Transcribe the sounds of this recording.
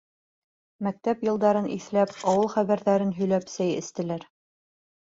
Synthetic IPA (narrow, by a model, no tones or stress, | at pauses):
mæk̚t̪æpjɤ̆lˠd̪ɑɾɤnʔḭθlæpɑwɤlˠχæβæɾðæɾɘnɦɵ̆jlæpsæjɘ̰̆st̪ɘ̆læɾ